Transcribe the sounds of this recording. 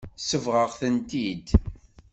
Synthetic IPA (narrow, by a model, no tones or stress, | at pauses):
səvʁəʁθənt̪id̪